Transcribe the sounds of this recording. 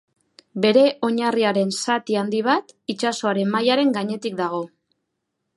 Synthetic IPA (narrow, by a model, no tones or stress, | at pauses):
be̞ɾe̞ʔo̞ɲariaɾe̞nsat̪iand̪iβ̞at̪it͡ʃaso̞aɾe̞mmːajaɾe̞ŋɡaɲe̞t̪ik̚d̪aɣ̞o̞